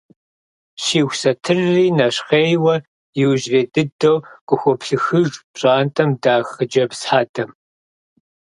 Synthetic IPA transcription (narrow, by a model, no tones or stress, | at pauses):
ʃiːxʷsɐtʰɨrːiːnɐɕqeːjwɐ | jɪwʒreːdɨdowkʷʼʊxʷɔpɬɨxɨʒpɕʼaːntʰʼɐmdaːxɨd͡ʒɐpsħaːdʰɐm